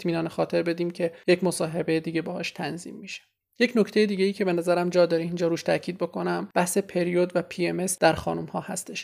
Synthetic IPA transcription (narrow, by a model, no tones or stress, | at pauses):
miːnɒːnexɒːt̪ʰe̞ɾbe̞d̪iːmcʰe̞je̞cmo̞sɒːɦe̞bejed̪iːɟe̞bɒːhɒːʃt̪ʰænzḭːmːiʃe̥ | je̞cʰnoct̪e̞jed̪iːɟʲe̞iːcʰe̞be̞næzæɾæmd͡ʒɒːd̪ɒːɾiind͡ʒɒːɾuːʃt̪ʰæcʰiːd̪̚bo̞kʰo̞næmb̥æhse̞pʰe̞ɾiod̪væpʰieme̞sd̪̥æɾxɒ̰ːnumhɒːhæst̪ʰe̞ʃ